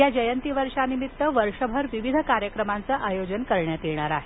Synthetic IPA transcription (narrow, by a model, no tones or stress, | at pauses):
jad͡ʑəjənt̪iʋəɾʂanimit̪ːəʋəɾʂəbʱəɾʋiʋid̪ʱəkaɾjəkɾəmant͡səʔajod͡ʑənkəɾɳjat̪iɳ̃aɾaɦe